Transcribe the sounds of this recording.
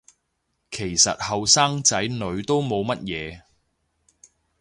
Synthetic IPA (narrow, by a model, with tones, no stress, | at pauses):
kʰe˨˩jsɐ̰˨t̚hɐ˨wsaː˥ŋt͡sɐ˨˥jnɵ˨˧ɥt̪o˥wmo˨˧wmɐ˥t̚jɛː˨˧